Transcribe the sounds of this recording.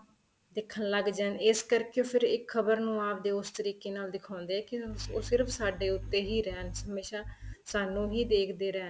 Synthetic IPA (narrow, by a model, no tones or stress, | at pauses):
d̪ɪkʰːənləɡd͡ʒəːnɪskəɾkeːoːpʰɪɾɪkʰəbəɾnũːaːp̚d̪eːʊst̪əɾiːkeːnaːld̪ɪkʰãːnd̪eːɛːkɪoːsɪɾpʰsaːɖeːʊt̪ːeːɦiːɾɛːnɦəmeːʃaːsaːnũːɦiːd̪eːkʰd̪eːɾɛːn